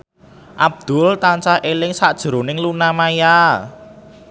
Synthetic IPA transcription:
ʔab̚d̪̥ʊ̤lt̪ant͡ʃahʔelɪŋsaʔd̥ʒ̥ɾo̤nɪŋlunamaja

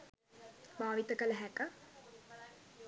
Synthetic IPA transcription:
baːʋit̪əkələɦɛkə

